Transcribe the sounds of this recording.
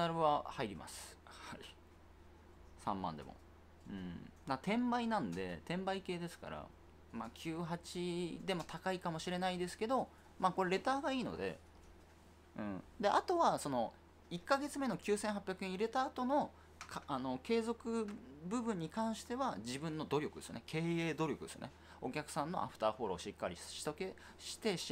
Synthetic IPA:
aɾɯ̟βahaiɾʲima̰sɨ̥hai | sã̰mːã̰nd̪e̞mo̞̰ | ɯ̟̰̃ːmat̪ẽ̞mbainãnd̪e̞̰t̪ẽ̞mbaike̞ːd̪e̞sɨ̥ka̰ɾa̰ | maːkʲʰɨːɦat͡ɕid̪e̞mo̞t̪ʰakaikamo̞ɕiɾe̞naid̪e̞sɨ̥ke̞d̪o̞ | maːko̞ɾeɾe̞t̪aːɡaiːno̞̰d̪ḛ | ɯ̟̃ːd̪e̞ʔat̪o̞βaso̞no | ikːaɡe̞t͡sɨme̞no̞kʲɨːsẽɰ̃ɦapʲjakɯẽ̞iɾe̞t̪aːt̪o̞no̞ | kʰano̞ke̞ːzo̞kɯ̟bɯ̟bɯ̟̃ɲ̟ːikãɰ̃ɕi̥t̪e̞βad͡ʑibɯ̟̃nːo̞d̪o̞ɾʲo̞kɯd̪e̞sjo̰nekʰe̞ːeːd̪o̞ɾʲjo̞kɯesɨ̰jonḛ | o̞kʲakɯ̟sãnːo̞̰ʔa̰ɸɯ̟̥t̪aːɸo̞ɾo̞̰ːɕikːaɾʲḭɕi̥t̪oke̞ | ɕi̥t̪e̞

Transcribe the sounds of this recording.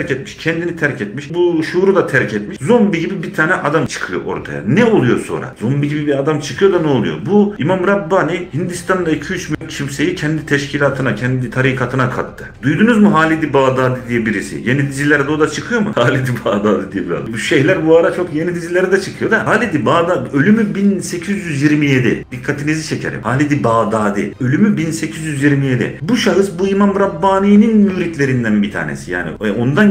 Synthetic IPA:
ɾcɛt̪miʃcʰɛnd̪init̪ʰæɾcʰɛt̪miʃbuʃuːɾud̪at̪ʰæɾcʰɛt̪miʃzombiɟibibit̪ʰaːnɛʔad̪amt͡ʃʰɯ̥kʰɯjo̞̰ʔo̞̰ɾt̪ʰa̰ja̰nɛo̞lˠujo̞so̞̰nɾa̰zombiɟibibiad̪amt͡ʃʰɯkʰɯjo̞d̪anɛo̞lˠṵjo̞̰buimamɾabːaːnihind̪ist̪ʰand̪ˠaicʰyyt͡ʃmycʰimse̞jicʰɛnd̪it̪ʰɛʃcʰilʲaːt̪ʰɯnacʰɛnd̪it̪ʰaɾiːkʰat̪ʰɯnakʰa̰t̪ʰːɯd̪ujd̪unuzmuɦaːlʲid̪ibaːd̪aːd̪id̪ijɛbiɾisḭje̞nid̪izilʲæɾd̪ɛod̪at͡ʃʰɯkʰɯjo̞mṵhaːlʲid̪ibaːd̪aːd̪id̪ijɛbiɾa̰zdbʃejlʲæɾbuaɾat͡ʃʰo̞kje̞nid̪izilʲæɾd̪ɛt͡ʃʰɯkʰɯjo̞d̪ahaːlʲid̪ibaːd̪aø̞lʲymybinse̞cʰizjyzjiɾmije̞d̪ɪ̰d̪ikʰːat̪ʰinizit͡ʃʰe̞cʰe̞ɾḭmhaːlʲid̪ibaːd̪aːd̪ḭø̞lʲymybinse̞cʰizjyzjiɾmije̞d̪ḭbuʃaɦɯsbuimamɾabːaːniːninmyːɾit̪lʲe̞ɾind̪ænbit̪ʰa̰ːnḛsija̰ːnḭo̞nd̪an

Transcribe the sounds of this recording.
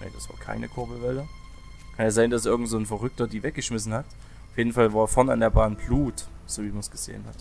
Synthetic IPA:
nɛ̰d̥asv̥a̰ːɐkʰa̰ɪnəkʰʊɐbl̩vɛlə | kʰanjaːzaɪndasʔɪɐɡŋ̩tz̥oːnfɐʁʏk̚tɐdiːvɛk̚ɡ̥əʃmɪsn̩hat | aʊfjeːdn̩falvaːɐeɐfɛɐnəa̰ndeːɐbaːnbluːtz̥oːviːmansɡ̥əz̥ḛːənhat

